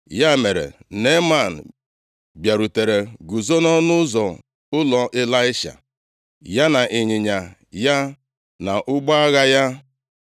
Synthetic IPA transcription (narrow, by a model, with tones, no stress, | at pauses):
ja˦˨me˨ɾḛ˨ne˦ma˦˨n̩˨ | bja˨ɾu˨te˨ɾe˨ɡu˨zo˦nɔ˦nʊ˦zɔ˨ | ʊ˦lɔ˨ʔe˦la˦ɪ˦ʃa̰˨ | ja˦na˨ʔɪ˨ɲɪ˨ɲa˨ja˦ | na˨ʔʊ˦ɡ͡ba˦a˦ɣa˦ja˦